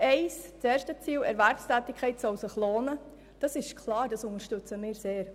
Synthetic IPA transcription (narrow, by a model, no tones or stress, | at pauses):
ɛɪst͡sɛːɾʃtət͡siːlɛ̰ɾvæɾfstæːtɪkʰχɛɪtsɔlsəχloːnə | d̥ɑsɪʃkʰlɑːɾdɑsʊŋəɾʃtʏt͡səmɪːɾseːɾ